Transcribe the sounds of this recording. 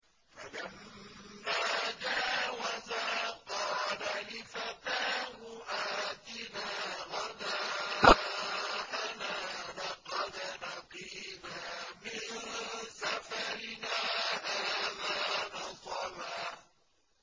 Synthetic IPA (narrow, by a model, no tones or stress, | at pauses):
falamː | aːd͡ʒaːwazaqɑːlalɪfat̪aːhʊʔaːt̪ɪnaːɣɑdaː | ʔanaːlɑqɑd̪nɑqiːnaːmɪnsafaɾɪnaːʔaːðaːnɑsˤɑlaː